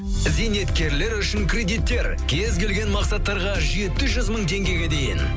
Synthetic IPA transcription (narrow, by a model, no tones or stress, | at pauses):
zejne̞t̪kʲe̞ɾle̞ɾʏʃɪŋkʰrʲe̞d̪it̪ːe̞ɾ | kʲʰe̞zkʲʰe̞lɡʲe̞nmɑqsɑt̪ːɑɾʁɑʒe̞t̪ɪʒʏzməɴt̪ʰe̞ŋɡʲe̞jɡʲe̞d̪e̞jɪ̰n